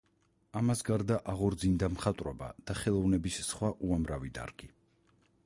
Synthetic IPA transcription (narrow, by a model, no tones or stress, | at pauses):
amasɡaɾd̪aʔaʁɔɾd̪zind̪amχat̪ʼɾɔba̰d̪̥aχɛlˠɔvnɛbissχwaʔuamɾavid̪a̰ɾɡ̥i